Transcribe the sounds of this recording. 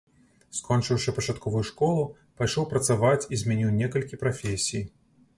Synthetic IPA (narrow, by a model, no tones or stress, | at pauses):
skɔnt͡ʂɨwʂɨpɐt͡ʂat̪̚kʰɔvujuʂkɔlˠu | pajʂɔwpɾɐt̪savat͡sʲizʲmʲɛnʲiwnʲɛkɐlʲkʲipɾafʲesʲij